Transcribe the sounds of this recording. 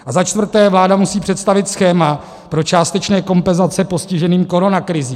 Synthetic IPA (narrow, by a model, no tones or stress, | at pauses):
ʔazat͡ʃt̪vr̩t̪ɛːvlaːdamusiːpr̥ɛt̪st̪avɪt̪sxɛːma | pɾo̞t͡ʃaːst̪ɛt͡ʃnɛːko̞mpɛnzat͡sɛpo̞scɪʒɛniːmko̞ɾo̞nakɾɪziː